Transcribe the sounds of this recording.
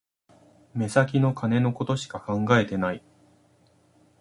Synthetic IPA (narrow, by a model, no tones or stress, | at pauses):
me̞sak̬ʲino̞kʰane̞no̞ko̞t̪o̞ɕi̥kakãŋɡae̞t̪e̞nai